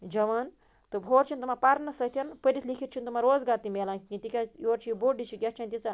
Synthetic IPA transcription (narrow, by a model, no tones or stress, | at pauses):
d͡ʒɐʋaːn | t̪ɨbʱoːɾt͡ʃʰint̪umapɐɾnɐsɐt̪ʰʲɐnpədʲit̪ʰlikʰiɾt͡ʃʰint̪umaɾoːzɡaːɾt̪imelanʲĩt̪ikʲajoːɾt͡ʃʰiiboɖit͡ʃʰiɡʲat͡ʃʰanʲt̪isɐ